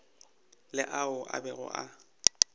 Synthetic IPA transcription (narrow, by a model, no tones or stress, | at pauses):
lɪʔaʊʔa̰bɛɣʊ̰ʔa